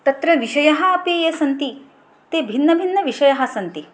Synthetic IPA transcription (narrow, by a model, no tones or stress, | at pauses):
t̪ɐt̪ɾɐʋiʃɐjɐɦɐɐpijɐsɐnt̪i | t̪eːbʱinːɐbʱinːɐʋiʃɐjɐɦɐsɐnt̪i